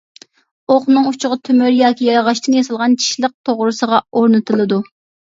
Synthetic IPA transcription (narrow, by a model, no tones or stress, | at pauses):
oχnɨŋut͡ʃʰʊʁɑt̪ʰymyɾjɑːkʲijɑɾɑʁɑʃt̪ɨŋjɑsɨlˠʁɑnt͡ʃʰi̥ʃlˠəq̚t̪ʰoʁɾɨsəʁɑoɾnɨt̪ʰɨlˠɨd̪u